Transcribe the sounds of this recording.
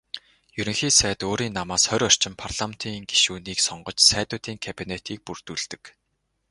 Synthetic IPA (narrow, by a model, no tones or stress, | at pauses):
jɵɾɵ̆ŋxiːsæːt̪oːɾiːnːamaːsχœɾʲɔr̥t͡ɕɪ̆mpʰarɮ̥am̥t̪ʰiːŋɡi̥ʃuːniːksɔɴɢɞ̆t͡ɕsæːt̪ʊːt̪iːŋkʰapʲinet̪ʰiːk̚pur̥t̪uːɮt̪ɘ̆k